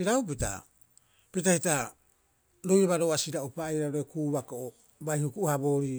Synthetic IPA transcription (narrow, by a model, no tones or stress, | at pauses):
iɾaup̬ita̰ | pitahita | ɾojaβaɾoasiɾaopajɾaɾoekuːβakoʔo | bajhukuʔuhabo̞ːɾi